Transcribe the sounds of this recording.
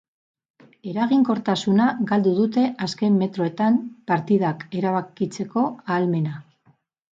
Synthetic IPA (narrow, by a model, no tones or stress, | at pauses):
e̞ɾaɣiŋko̞ɾt̪asunaɡald̪uðut̪e̞ʔaske̞mːe̞t̪ɾo̞et̪ampaɾt̪iðake̞ɾaβakit͡se̞ko̞aːlme̞na